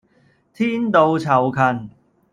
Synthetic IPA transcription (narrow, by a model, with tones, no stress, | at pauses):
t̪ʰiː˥nt̪o˧wt͡sʰɐ˨˩wkʰɐ˨˧n